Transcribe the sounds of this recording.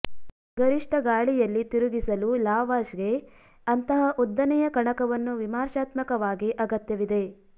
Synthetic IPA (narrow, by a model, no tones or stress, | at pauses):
ɡɐɾiʂʈɐɡaːɭijɐlːit̪iɾuɡisɐlulaːʋaːʃɡe̞ | ɐnt̪ɐɦɐʔud̪ːɐnɛjɐkɐɳɐkɐʋɐnːuʋimaːɾʃaːt̪mɐkɐʋaːɡiʔɐɡɐt̪jɐʋid̪e̞